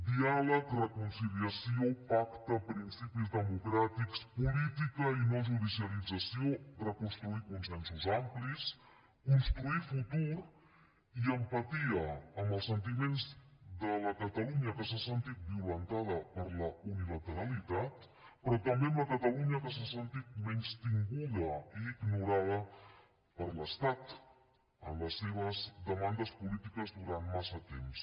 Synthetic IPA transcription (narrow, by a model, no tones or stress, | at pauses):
d̪ialəkrəkunsiliəsiopakt̪əpɾinsipizðəmukɾat̪ikspulit̪ikəinoʒuðisiəlid͡zəsiorəkunst̪ɾuikunsɛnsuzamplis | kunst̪ɾuifut̪uɾ | iəmpət̪iəːməlˠsənt̪imenzðələkət̪əluɲəkəsasənt̪it̪̚biulənt̪aðəpəɾləunilət̪əɾəlit̪at̪ | pɾɔt̪əmbeəmləkət̪əluɲəkəs̬asənt̪it̪̚mɛnst̪iŋɡuðəiːɡnuɾaðə | pəɾləst̪at̪ | ə̰mləsːeβ̞əzðəmand̪əspulit̪ikəzðuɾant̪masət̪ḛms